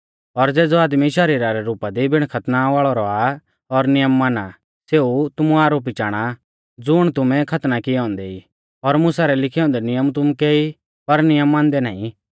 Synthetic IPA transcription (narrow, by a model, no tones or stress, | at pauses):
ɔɾd͡zeːd͡zɔaːd̪miʃɐɾiːɾaɾɛɾuːpad̪ibʱɪɽ̃kʰɐt̪naʋaːɭɔɾɔaː | ɔɾnɪjəmːana | seːut̪ʊmuaːɾoːp̬it͡ʃaːɽ̃a | d͡zʊɽ̃t̪ʊmɛ̃kʰɐt̪nakɪɛɔ̃ːnd̪eiː | ɔɾmʊsaɾɛlɪkʰiɔ̃ːnd̪ɛnɪjəmt̪ʊmukeːi | pɐɾnɪjəmːãːnd̪ɛna̰ːĩ